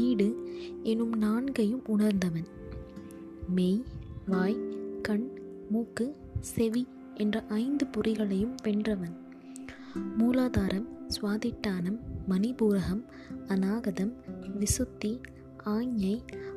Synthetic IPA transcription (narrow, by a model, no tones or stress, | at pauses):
iːɽɯɛnɯmnaːɳɡɐjɯmʊɳɐɾnd̪ɐʋɐn | meːjʋaːjkɐɳ | muːkːɯ | sɛʋi | ʔɛndrɐʔɐɪnd̪ɯpʊrɪɣɐɭɐjɯmpɛndrɐʋɐn | muːlaːðaːɾʔɐmsʋaːðɪʈːaːnɐmːɐnɪbuːɾɐɣɐm | ɐnaːɣɐðɐmʋɪsɯt̪ːi | aːɲjɐɪ